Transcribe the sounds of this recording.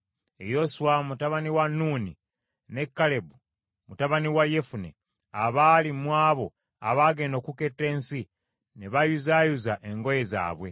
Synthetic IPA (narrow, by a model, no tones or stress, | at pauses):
ḛjo̞suwamutaβaniwanːuːni | ne̞kːale̞bu | mutaβaniwaje̞fune | aβaːlimwaːβo̞ | a̰βaːɡe̞ːndo̞ːkuke̞tːe̞ːnsi | neβajuzaːjuzaʔe̞ŋɡo̞je̞za̰ːβwe̞